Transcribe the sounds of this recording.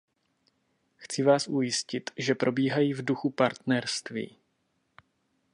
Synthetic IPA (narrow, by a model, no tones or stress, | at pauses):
xt͡sɪvaːsʔujɪscɪt̪ʒɛpɾʔo̞biːɦajiːvduxupaɾt̪nɛɾst̪vḭː